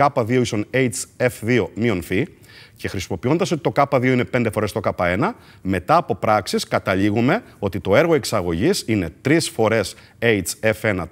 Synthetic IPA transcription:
ɐpɐðio̞isonejt͡sefðio̞mionfi | ce̞xɾisimo̞pio̞nd̪ɐs̬o̞t̪it̪o̞kɐpɐðio̞inepe̞nd̪efo̞ɾest̪o̞kɐpɐe̞nɐ | me̞t̪ɐːpo̞pɾɐksiskɐt̪ɐʎiɣume̞o̞t̪it̪o̞e̞ɾɣo̞e̞ksɐɣo̞ʝisine̞t̪ɾisfo̞ɾe̞s | ejt͡se̞fe̞nɐ

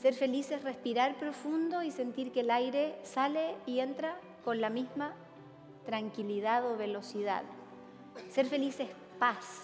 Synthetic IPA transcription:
seɾfe̞lisesrespiɾaɾpɾo̞fund̪o̞ise̞nt̪iɾkeːlajɾe̞saleient̪ɾa | ko̞nlamizma | t̪ɾaŋkiliðaðo̞βe̞lo̞siða̰ð | seɾfe̞lises | pas

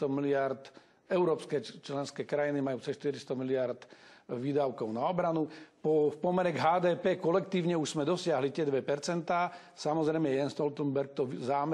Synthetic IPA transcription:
t̪ɔmilɪaɾt̪ | ɛʊɾɔːpskɛt͡ʃlɛnskɛːkɾajinimajuːt͡sɛʃt̪iɾist̪ɔmilɪaɾd̪ʋiːd̪aʊkɔʊnaɔbɾanupɔfpɔmɛɾɛɡɦaːd̪ɛːpɛːkɔlɛkt̪iːʊɲɛuʒz̥mɛd̪ɔsɪaɦlit̪ɪɛd̪ʋɛpɛɾt͡sɛnt̪aː | samɔzɾɛjmɛɛjɛnst̪ɔlt̪ɛmbɛɾk̚t̪ɔʋzaːm

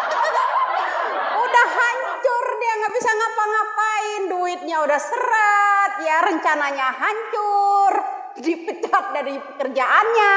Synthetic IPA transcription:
udahaɲt͡ʃʊrdiaŋɡaʔbisaŋapaŋapaɪnduɪt̪̚ɲaudahsəɾat̪̚jaɾəɲt͡ʃanaɲaɦaɲt͡ʃʊr | dipət͡ʃat̪̚daɾipəkərd͡ʒaʔanɲa

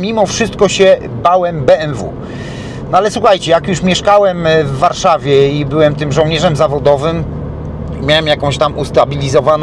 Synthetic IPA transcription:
mʲimɔfʂɘst̪̚kɔɕɛ | bawɛmbɛɛnvṵ | nɔalɛswuxajt͡ɕɛjakjuʂmʲjɛʂkawɛmvːaɾʂavʲjɛibɘwɛmt̪ɘmʐɔ̃wɲɛʐɛmzavɔd̪ɔvɘm | mʲjawɛmjakɔ̃w̃ɕt̪amust̪abʲilʲizɔvan

